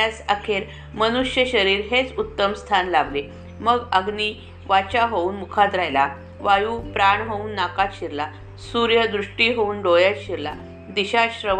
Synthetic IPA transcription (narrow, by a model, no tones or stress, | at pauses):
asəkʰeɾ | mənuʂjəɕəɾiːɾɦet͡sut̪ːəmst̪ʰanlaʋle | məɡəɡni | ʋat͡ɕaɦouːnmukʰad̪ɾajla | ʋajuːpɾaɳɦouːnːakat̪ɕiɾla | suɾjəd̪ɾuʂʈiɦouːnɖojat̪ɕiɾla | d̪iɕaɕɾə